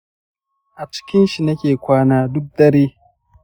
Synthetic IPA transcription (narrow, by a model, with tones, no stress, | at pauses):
ʔa˨t͡ʃɪ̥˦kʲɪ˦nʃi˨nɐ˦kʲeː˨kʷaː˦naː˦dʊ˦k̚dɐ˦ɽiː˦